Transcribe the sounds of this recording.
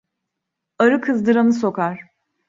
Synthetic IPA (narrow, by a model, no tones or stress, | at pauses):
aɾɯkʰɯzd̪ɯɾanɯso̞kaɾ̥